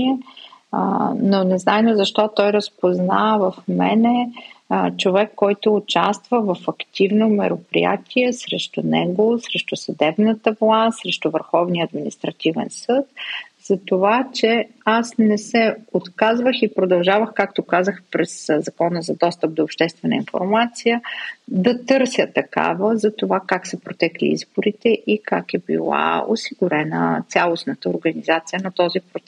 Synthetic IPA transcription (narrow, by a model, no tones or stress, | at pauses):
ɛ | nonɛznajnəzɐʃt̪ɔt̪ɔjɾəspozna̰vɐfmɛ̰nɛ | t͡ʃovɛkːɔjt̪ʊːt͡ʃast̪vəvɐfɐkt̪ivnomɛɾopɾḭja̰t̪ʰʲiɛsɾɛʃt̪ʊnɛ̰ɡosɾɛʃt̪ʊsɐd̪ɛbnət̪əvlˠast̪sɾɛʃt̪ʊvəɾxɔvniəːd̪minist̪ɾɐt̪ivɛ̰nsɤt̪̚z̥ɐt̪ovat͡ʃɛ | asnɛsɛot̪kazvəxipɾod̪ɐlˠʒavəxkakt̪okazəxpɾɛszɐkɔnəzɐd̪ɔst̪əp̚d̪oːpʃt̪ɛst̪vɛnə̰info̰ɾmat̪sijəd̪ɐt̪ɤɾsʲjət̪ɐka̰vəzɐt̪ovakaksɛpɾot̪ɛklḭḭzboɾit̪ɛʔikakɛbḭlˠa̰o̰siɡʊɾɛnə̰t̪sʲalˠosnət̪əoɾɡənizat̪sijənɐt̪ɔzipɾot̪sɛ